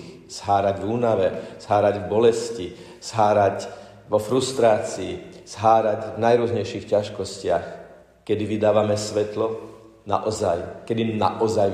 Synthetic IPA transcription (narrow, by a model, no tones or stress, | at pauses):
z̥ɦaːɾaɟvuːnaʋɛz̥ɦaːɾaɟvbɔlɛsci | z̥ɦaːɾac | ʋɔfɾust̪ɾaːt͡siːz̥ɦaːɾaɟvnajɾʊɔzɲɛjʃixcaʃkɔscɪax | kɛd̪iʋid̪aːʋamɛsʋɛt̪lɔ | na̰ʔɔzajkɛd̪ina̰ʔɔzaj